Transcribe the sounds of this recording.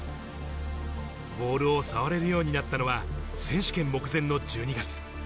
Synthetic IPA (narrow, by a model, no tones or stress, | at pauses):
bo̞ːɾɯ̟o̞saβaɾe̞ɾɯ̟jo̞ːɲ̟inat̪ːano̞βasẽ̞ɰ̃ɕi̥kẽ̞mːo̞kɯ̟zẽ̞nːo̞d͡ʑɨːɲ̟iɡat͡sɨ̥